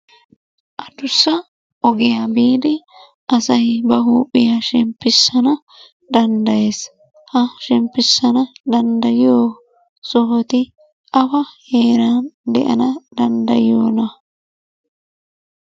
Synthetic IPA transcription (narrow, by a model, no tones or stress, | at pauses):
ʔɐd̪ʊsːɐ | ʔɔɡɪjabiːd̪ɪ | ʔɐsɐjbɐɦuːpʼːɪjaʃɪmpːɪsːɐnɐ | d̪ɐnd̪ɐje̞ːs | hɐʃɪmpːɪsːɐnɐd̪ɐnd̪ɐjɪjoː | sɔɦɔt̪ɪ | ʔɐfɐhe̞ːɾand̪ɛ̰ʔɐ̰nɐd̪ɐnd̪ɐ̰jɪjoːnɐ